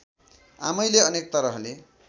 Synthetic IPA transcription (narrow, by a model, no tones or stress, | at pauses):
a̰mʌjleʌnek̚t̪ʌɾʌɦle